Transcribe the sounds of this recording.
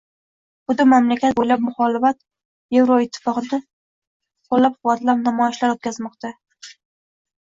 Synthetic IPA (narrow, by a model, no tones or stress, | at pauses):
bʊd̪ɪmamlakʲʰat̪̚bojlap̚mʊχɒlɪfat̪ | jevɾoɪt̪ʰːɪ̥fɒqɨnɪ | qʰolːapqʊvat̪lapnamɒjɪʃlaɾot̪̚kʲʰazmɒqt̪a